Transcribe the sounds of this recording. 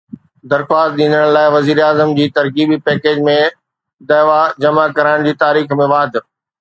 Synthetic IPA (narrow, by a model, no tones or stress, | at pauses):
d̪ɐɾxwaːst̪̚ɗ̪ĩːnd̪əɽ̃laːɪʋɐziːɾaːzəmd͡ʑiːt̪ɐɾɣiːbipɛːkeːd͡ʑmẽ | d̪ɐʋad͡ʑɐmakɐɾaːɪɽ̃d͡ʑiːt̪aːɾiːxmẽʋaːd̪ʱ